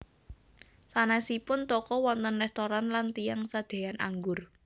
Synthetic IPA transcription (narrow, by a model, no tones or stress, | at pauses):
sanasipʊnt̪ɔkɔwɔnt̪ənrɛst̪oɾanlant̪ijaŋsad̪̥e̤janʔa̰ŋɡʊr